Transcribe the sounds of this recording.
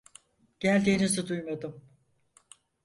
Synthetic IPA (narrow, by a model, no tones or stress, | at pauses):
ɟ̥ælʲd̪iːnizɯd̪ujmad̪ɯm